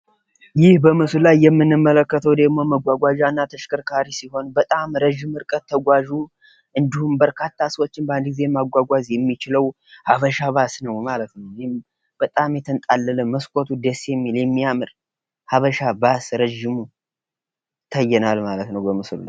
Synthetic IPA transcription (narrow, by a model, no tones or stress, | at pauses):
jɪhbəmɨsllajːɛmːɨnːɨmːələkːət̪ʰəwd̪əɡmo̞məɡʷaɡʷaʒanːat̪ʰəʃkəɾkʰaɾisiho̞nbət̪ʼamɾəʒːɪmɨɾkʼət̪ʰːəɡʷaʒu | ʔɨnd̪ihumbəɾkʰat̪ʰːasəwot͡ʃːɪnband̪ɡɨze̞maɡʷaɡʷazjɛmːit͡ʃɪləw | haβəʃaβasnəwmalət̪nəwnm | b̥ət̪ʼamjɛt̪ʰɨnt̪ʼalːələməskʷʼot̪ʰud̪esjɛmːiljɛmːijamɨɾ | haβəʃabasɾəʒɪmu | t̪ʰəjːɛnalmalət̪nəwbəmɨslla̰j